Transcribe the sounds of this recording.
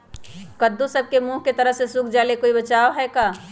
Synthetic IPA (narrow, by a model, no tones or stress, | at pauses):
kɐd̪ːũsɐb̚kemuːɦket̪ɐɾəɦsesukʰd͡ʒaːlekoːibɐt͡ʃaːoɦɛkaː